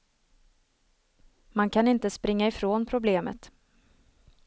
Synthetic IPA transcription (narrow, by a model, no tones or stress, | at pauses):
mankʰanɪnt̪əspɾɪŋːaɪfɾoːnpʰɾʊbleːmə̰t̪